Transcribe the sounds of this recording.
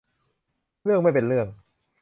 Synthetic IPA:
ɾɯ˥˩əkŋma˥˩jpe˧nɾɯ˥˩əŋ̚

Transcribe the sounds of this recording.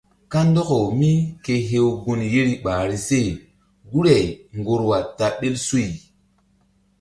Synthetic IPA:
ka˦ndɔ˦ko˨wmi˦ke˨ɦe˦wɡu˦nje˦ɾi˨ɓaː˨ɾi˨se˦˨ | ɡu˦ɾe˨ŋɡo˨ɾwa˨ta˨ɓe˦lsu˦i˨

